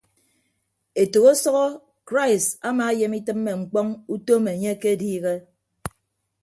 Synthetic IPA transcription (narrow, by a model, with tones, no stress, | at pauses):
e˨to˨ɣo˦sɔ˦ɣɔ˦ | kɾa˦ɪ˨sa˦maː˨˦je˨mi˦tɨ˦mːe˨ŋ͡m̩˨k͡pɔ˦ŋu˦to˦me˨e˨ɲe˦ke˦diː˦ɣe˦